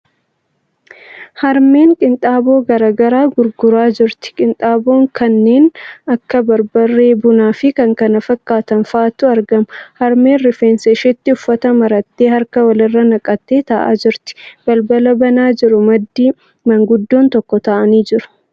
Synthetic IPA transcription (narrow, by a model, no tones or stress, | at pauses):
hɐɾme̞ːŋkʼɪnt̪ʼaːbo̞ːɡɐɾaːɡɐɾaːɡʊɾɡʊɾaːd͡ʒɪɾt̪ɪ̥kʼɪnt̪ʼaːbo̞ːŋkɐnːe̞ːnɐkːɐbɐɾbɐrːe̞ːbʊnaːfɪkɐŋkɐnɐfɐkʼːaːt̪ɐnfaːt̪ːʊɐɾɡɐmʊhɐɾme̞ːnɾɪfeːnsɛʃɪt̪ːɪʊfːɐt̪ɐmɐɾɐt̪ːeːɦɐɾkɐwɐlɪrːɐnɐkʼɐt̪ːe̞ːt̪ɐʔa̰ːd͡ʒɪɾt̪ɪ̥b̥ɐlbɐlɐbɐnaːd͡ʒɪɾʊmɐd̪ːiː | mɐŋɡʊd̪ːo̞ːnt̪ɔkːɔt̪ɐʔɐniːd͡ʒɪɾʊ̥